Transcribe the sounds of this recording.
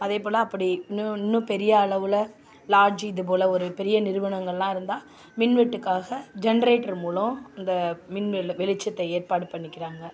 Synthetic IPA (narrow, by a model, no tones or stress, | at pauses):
ɐðeːpoːlɐɐpːɐɽiɪnːɯɪnːɯ̃pɛɾɪjɐːɭɐʋɯlɐ | laːɾd͡ʒiɪðɯp̬oːlɐɔɾɯpɛɾɪjɐnɪɾɯʋɐɳɐŋɡɐɭlãːɪɾɯnd̪aː | mɪnʋɛʈːɯkːaːɣɐd͡ʒɛnɐɾeːʈːɐɾmuːɭɐɪnd̪ɐmɪnʋɛlʋɛlɪt͡ʃːɐt̪ːɐeːɾpaːɽɯpɐɳːɪkʲːɪɾaːŋɡɐ